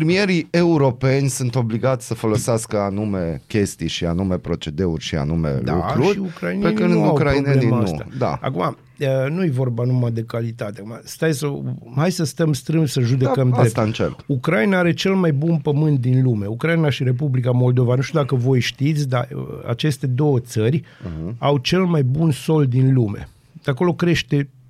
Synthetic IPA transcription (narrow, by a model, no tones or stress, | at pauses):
ɾmieɾie̞uɾo̞pe̞nʲsunt̪o̞bliɡat̪sʲsəfo̞loseaskəanume̞kʲe̞st̪ijʃia̰numepɾo̞t͡ʃe̞d̪e̞urʲʃia̰numḛld̪aṵkɾuʃɾʲiukɾajinekɨnd̪ukɾaineeninst̪a̰d̪a̰a̰kuma | ənujevo̞rbanumad̪e̞kalit̪at̪eakumast̪ajsəhajsəst̪əmst̪ɾɨnsəʒud̪e̞kkəmd̪et̪ant͡ʃḛlukɾainaaɾe̞t͡ʃe̞lmajbunpəmɨnt̪̚d̪inlume̞ukɾajinaʃiɾe̞p̬ublikamo̞ld̪o̞vanuʃt̪ʲud̪akəvo̞jʃt̪it̪sʲd̪aa̰t͡ʃe̞st̪e̞d̪o̞wət̪sərʲawt͡ʃe̞lmajbunso̞ld̪inlume̞̰ | d̪ako̞lo̞kɾe̞ʃt̪e̞